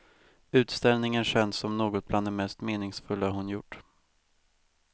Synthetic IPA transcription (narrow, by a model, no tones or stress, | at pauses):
ʉ̟ːt̪st̪ɛlnɪŋənɕɛnsːɔmnoːɡɔt̪̚bland̪ɛmɛst̪meːnɪŋsfɵlːaɦʊnjʊʈː